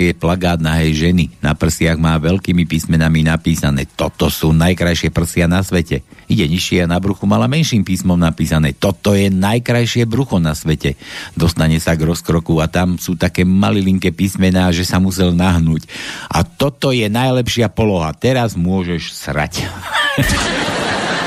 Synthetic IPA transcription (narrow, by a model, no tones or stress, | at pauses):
jɛplaɡaːd̪̚naɦɛjʒɛnina̰pr̩sɪaɣmaːʋɛlkiːmipiːsmɛnaminapiːsanɛ̰ːt̪ɔt̪ɔsuːnajkɾajʃɪɛpr̩sɪanasʋɛcɛiɟɛɲiʃɪɛanabɾuxumalamɛnʃiːmpiːsmɔmnapiːsanɛːt̪ɔt̪ɔjɛnajkɾajʃɪɛbɾuxɔnasʋɛcɛd̪ɔst̪aɲɛsaɡɾɔskɾɔkuat̪amsuːt̪akɛːmaliliŋkɛpiːsmɛnaːʒɛsamusɛlnaɦnuːcʔa̰t̪ɔt̪ɔjɛnajlɛpʃɪapɔlɔɦat̪ɛɾazmʊɔʒɛʃsɾa̰c